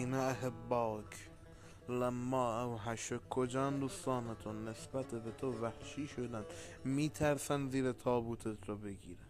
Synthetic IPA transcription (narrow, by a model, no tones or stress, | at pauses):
inɑeɦebːɒːkʰ | læmːɑːæwɦæʃokʰːod͡ʒɑːnd̪uːst̪ɑːnet̪ʰonːesbæt̪ʰebet̪ʰovæhʃiːʃod̪ænd̪ | miːt̪ʰæɾsænziːɾet̪ʰɒːbuːt̪ʰet̪ʰɾɔbeɡiːɾæ